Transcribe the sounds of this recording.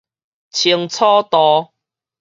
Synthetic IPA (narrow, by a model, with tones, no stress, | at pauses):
t͡ɕʰi˧əŋt͡sʰɔ˦t̪ɔ˧